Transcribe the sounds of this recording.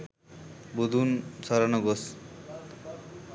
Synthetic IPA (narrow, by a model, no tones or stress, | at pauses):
bud̪ʱunsɔɾanɔɡos